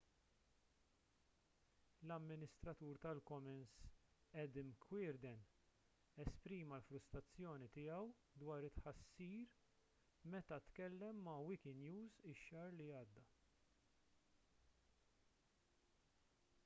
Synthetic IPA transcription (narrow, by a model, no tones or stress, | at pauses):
lɐmːɪnɪst̪ɾɐt̪uːɾt̪ɐlkɔmɛnsɛd̪ɪmkʰwɪːɾd̪ɛn | ɛspɾiːmɐlfɾʊst̪ɾɐt͡sːjɔːnit̪ɪjɐw | d̪wɐːɾɪt̪ħɐsːiːɾ | mɛt̪ɐt̪kɛlːɛmːɐwikɪnjuːzɪʃːɐːɾliɐːd̪ːɐ